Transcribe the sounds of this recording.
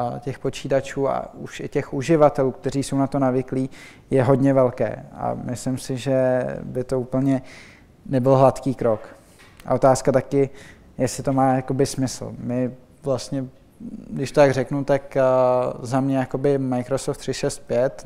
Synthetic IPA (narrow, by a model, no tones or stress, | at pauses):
cɛxpo̞t͡ʃiːt̪at͡ʃuːa̰uʃɪcɛxʔuʒɪvat̪ɛluːk̚t̪ɛɾiːsownat̪o̞navɪkliː | jɛɦo̞dɲɛvɛlkɛ̰ːa̰mɪslɪmsɪʒɛbɪt̪o̞uːpl̩ɲɛ | nɛbɪlɦlat̪kiːkɾo̞k | ʔa̰o̞t̪aːskat̪akɪ | jɛsɪt̪o̞maːjako̞bɪsmɪsl̩mɪ | vlast̪ɲɛ | dɪʃt̪ot̪aɡrɛknut̪ak | zamɲɛjako̞bɪmajkɾosoft̪r̥ɪʃɛst̪̚pjɛt̪